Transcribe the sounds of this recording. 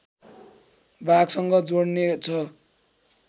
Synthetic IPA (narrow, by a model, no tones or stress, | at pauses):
baɡsʌŋɡʌd͡zoɽnet͡sʰʌ